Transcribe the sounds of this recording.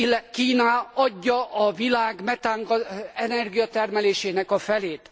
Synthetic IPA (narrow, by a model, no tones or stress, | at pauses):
kiːnaɒɟːɒʔɒvilaːɡmɛt̪aːŋɡɒɛnɛrɡijɒt̪ɛrmɛleːʃeːnɛkɒfɛleːt̪